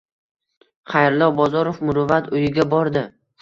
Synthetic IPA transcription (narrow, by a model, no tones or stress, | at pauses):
χajɾlˠɒbɒzɒɾofmʊɾʊvat̪ʊjɪɡʲabɒɾd̪ɪ